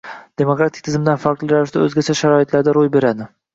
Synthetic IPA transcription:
d̪̥e̞mokɾat̪ʰɪk̚ʲt̪ʰɪzɪmd̪anfaɾklˠɪɾaɾɪʃd̪aɵzɡʲat͡ʃʰaʃaɾɒɪt̪ʰlaɾd̪aɾojbe̞ɾad̪ɪ

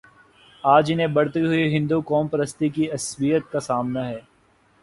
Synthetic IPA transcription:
aːd͡ʒɪnẽbɐɽt̪iɦʊiɦɪ̃nd̪ukɔːmpɐɾəst̪ikiɐswijət̪̚kasaːmnaɦɛː

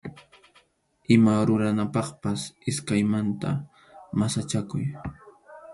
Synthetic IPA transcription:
ɪmaɾʊɾanapɑχpasɪskajmant̪a̰ | masat͡ʃakʊ̰j

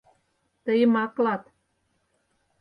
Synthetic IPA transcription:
t̪əjəmɑklɑt̪

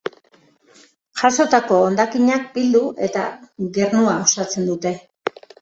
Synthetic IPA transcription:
ʝaso̞t̪ako̞ːnd̪akiɲak̚bild̪uʔe̞t̪a̰ɡe̞rnuaosat͡se̞nd̪ut̪e̞

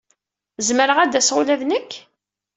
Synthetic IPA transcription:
zməɾəʁæd̪æsʁʊlæðnəkː

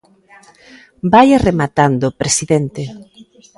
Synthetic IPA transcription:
bajaremat̪and̪opɾesiðent̪e

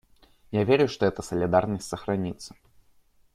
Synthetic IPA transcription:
javʲeɾʲʊʂt̪oɛt̪əsəlʲɪd̪arnəsʲtʲsəxɾɐnʲit̪sːə̥

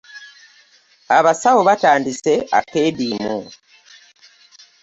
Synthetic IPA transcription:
aβasawoβataːndise̞a̰teːβiːmu

